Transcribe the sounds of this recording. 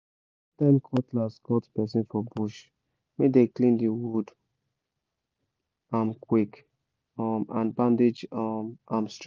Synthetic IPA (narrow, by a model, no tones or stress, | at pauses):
tãmkʰɔtlasɡɔtpɛs̬ĩnfɔbuʃ | medeklĩndiwud | amkwik | mã̰nbãnded͡ʒmamst